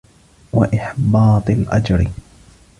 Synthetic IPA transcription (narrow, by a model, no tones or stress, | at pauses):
waʔɪħbɑːt̪ˤɨlʔad͡ʒɾɪ